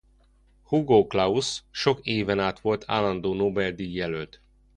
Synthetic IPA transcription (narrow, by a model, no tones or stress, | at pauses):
huɡoːklɒusʃo̞keːvɛnaːt̪ʋo̞lt̪ʰa̰ːlːɒnd̪oːnoːbɛld̪ijːɛlølt̪